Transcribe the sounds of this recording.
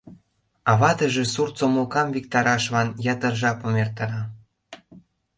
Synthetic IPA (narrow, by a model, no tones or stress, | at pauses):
ɑβɑt̪əʒĕsurt͡somokɑmvik̚t̪ɑɾɑʃβɑnjɑt̪ərʒɑpomert̪ɑɾɑ